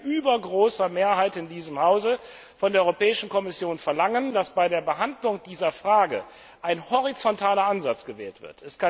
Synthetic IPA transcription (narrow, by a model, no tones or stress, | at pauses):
ʔyːbɐɡʁoːsɐmeːɐɦaɪtɪndiːzəmhaʊzə | fɔndeɐɔʏʁopɛːɪʃn̩kɔmɪsjoːnfɛɐlaŋəndasb̥aɪdeːɐbəɦandlʊŋd̥iːzɐfʁ̥aːɡə̰ | ʔaɪnhɔʁ̞it͡sɔntʰaːlɐʔanzat͡sɡ̥əvɛːltv̥ɪ̰ɐtɛskʰa